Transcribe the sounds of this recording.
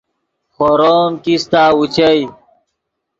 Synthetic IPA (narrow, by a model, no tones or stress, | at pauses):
xoɾoːmkist̪aːut͡ɕɐj